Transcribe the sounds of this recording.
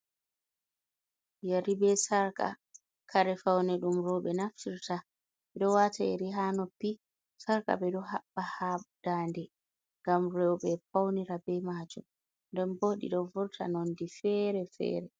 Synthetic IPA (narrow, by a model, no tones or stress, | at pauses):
jaɾibɛsaɾka̰ | kʰaɾɛfawnɛɗumɾɔɓɛnaftiɾta | ɓɛɗɔwataɛɾiɦanɔpːi | saɾka̰bɛɗɔhaɓːahad̥aːndɛ | ŋɡamɾɛwɓɛfawniɾabɛmaːd͡ʒum | ndɛnboɗḭɗɔvɔɾtʰa̰nɔndifɛɾɛfɛ̰ːɾɛ